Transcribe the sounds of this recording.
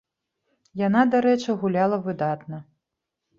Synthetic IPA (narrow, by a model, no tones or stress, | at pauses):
janad̪aɾɛt͡ʂɨɣulʲalˠɐvɨd̪at̪nɐ